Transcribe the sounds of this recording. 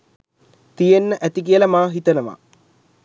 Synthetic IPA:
t̪ijenːəʔæt̪ik̬iəlɐmaːɦit̪ənəʋa̰

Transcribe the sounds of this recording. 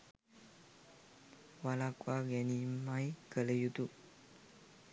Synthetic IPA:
walakuaɡɛnimajkələjut̪u

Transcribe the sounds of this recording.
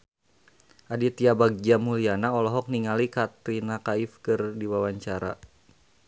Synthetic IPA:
ʔadit̪iabaɡ̚d͡ʒamulianaɔlɔɦɔk̚niŋalikat̪ɾinakaifkɨrdiwawaɲt͡ʃaɾa̰

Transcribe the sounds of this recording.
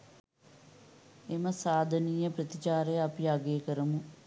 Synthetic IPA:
emɐsaːd̪ʱɐniːjɐprɐt̪it͡ʃaːɾejɐpiaɡeːkəɾɐmu

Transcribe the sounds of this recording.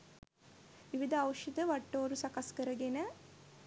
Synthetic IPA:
ʋiʋid̪ʱɐːwʃid̪ɐʋɐʈːoːɾusɐkɐskɐɾɐɡenɐ

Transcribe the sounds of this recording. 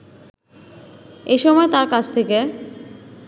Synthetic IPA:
eʃɔmɔet̪aɾkat͡ɕʰt̪ʰeke

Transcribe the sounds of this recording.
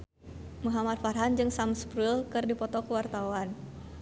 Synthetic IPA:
muɦamat̪̚farɦand͡ʒɨŋsamspɾulkɨrdipɔt̪ɔkəwart̪awan

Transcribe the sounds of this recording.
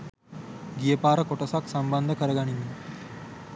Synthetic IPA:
ɡijəpaːɾəkoʈəsaksəmband̪ʱəkəɾəɡaɳ̃in

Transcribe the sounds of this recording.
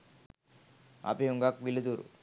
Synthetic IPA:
a̰pijuŋɡakʋilid̪uɾṵ

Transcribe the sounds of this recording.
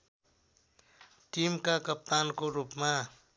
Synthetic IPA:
ʈimkakʌp̚t̪ankoɾupma

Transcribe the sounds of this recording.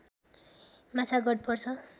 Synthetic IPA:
mat͡sʰaɡʌɽ̚pʌrt͡sʰʌ

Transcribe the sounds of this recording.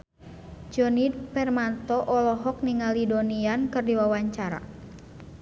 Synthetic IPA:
d͡ʒɔnipɛrmant̪ɔʔɔlɔɦɔk̚niŋalidoniankɨrdiwawaɲt͡ʃaɾa̰

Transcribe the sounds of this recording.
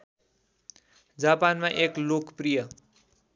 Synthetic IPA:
d͡zapanmaʔeklokprijʌ

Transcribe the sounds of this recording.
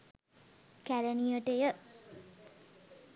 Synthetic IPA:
kæɾəniəʈejə

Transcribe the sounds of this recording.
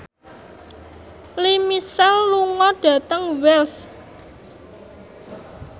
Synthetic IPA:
limisɛlːuŋɔɖ̥ä̤t̪əŋwɛls

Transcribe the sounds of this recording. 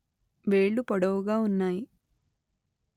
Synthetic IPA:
ʋeːɭːupɐɽɐʋuɡaːunːaːji

